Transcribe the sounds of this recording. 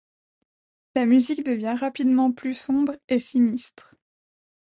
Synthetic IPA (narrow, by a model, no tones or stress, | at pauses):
lamyzikd̪əvjɛ̃ʁapid̪mɑ̃plysɔ̃bʁesinist̪χ